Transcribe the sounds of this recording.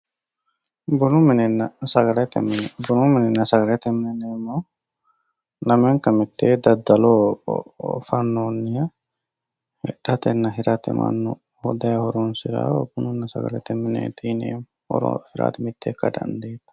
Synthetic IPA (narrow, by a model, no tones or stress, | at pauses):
bʊnʊmɪnɛnɐsɐɡɐlɛt̪ːbʊnumɪnɛnːɐsɐɡɐlɛt̪ɛmːɛneːmːoː | nɐmeːŋkɐmɪt̪ːeːd̪ɐd̪ɐloː | fɐnːoːnːɪjɐ | hɛ̰ᶑɐt̪ɛnːɐɦɪɾɐt̪ɛ̰mʔɐ̰nːɔ | hɔd̪ɐjɐhɔɾoːnsɪɾa̰bʊnʊnːɐsɐ̰ɡɐ̰lɛt̪ɛmːɪnḛːt̪ʰiːnḛːm | hɔ̰ɾo̰hɪɾa̰ːt̪ɪmɪt̪ʰːeːkːɐd̪ɐ̰nd̪eːt̪ɐ̥